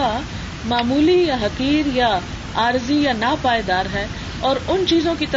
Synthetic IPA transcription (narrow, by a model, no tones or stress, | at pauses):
a | maːmuːlijaɦɐqiːɾja | aːɾzijanaːpaːjd̪aːɾɦɛː | ɔːɾʊnt͡ʃiːzõkit̪ɐ